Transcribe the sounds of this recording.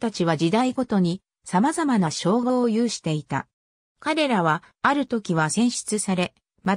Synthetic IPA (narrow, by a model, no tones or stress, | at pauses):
t̪at͡ɕiβad͡ʑid̪aiɡo̞t̪o̞ɲ̟i | samazamanaɕo̞ːɡoːjɯːɕi̥t̪e̞it̪a̰ | kaɾe̞ɾaβaːɾɯ̟t̪o̞kʲiβasẽ̞ɰ̃ɕi̥t͡sɨsaɾe̞ | ma